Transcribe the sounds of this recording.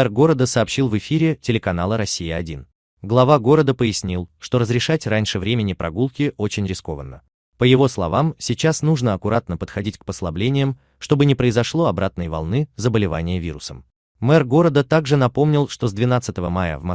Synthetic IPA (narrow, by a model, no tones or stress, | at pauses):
ɛrɡo̞ɾəd̪əsəːpɕilˠvɨfʲiɾʲɪtʲɪlʲɪkɐnalˠəɾɐsʲːijɪɐdʲin | ɡlˠɐvaɡo̞ɾəd̪əpəɪsʲnʲilˠʂt̪o̞ɾəzɾʲɪʂatʲranʲʂɨvɾʲemʲɪnʲɪpɾʔɐ̰ɡulˠkʲɪʔo̞t͡ɕɪnʲɾʲɪsko̞̰vənːə | pəjɪvo̞slˠɐ̰vamsʲɪt͡ɕasnuʐnəɐkʊɾʔat̪nəpət̪xɐdʲitʲk̚pəslˠɐblʲenʲɪjəm | ʂt̪o̞bɨnʲɪpɾəɪzɐʂlˠo̞ɐbɾat̪̚nəjvɐ̰lˠnɨzəbəlʲɪva̰nʲɪjəvʲḭɾʊ̰səm | mɛrɡo̞ɾəd̪ət̪aɡʐɨnɐpo̞mnʲɪlˠʂt̪o̞zd̪vʲɪnat̪sɨt̪əvəmajə̰vmɐ